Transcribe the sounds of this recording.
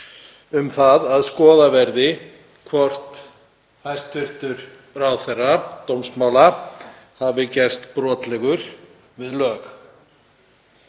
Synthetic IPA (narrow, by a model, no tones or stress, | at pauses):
ʏmθaðaðskɔːðavɛɾðɪ | kʰvɔr̥t̪ | hajst̪ʏr̥t̪ʏɾ̥ | ɾawθɛrːat̪owmsmawla | havɪcɛr̥st̪pɾɔːt̪lɛɣʏɾ̥ | vɪðlœːɣ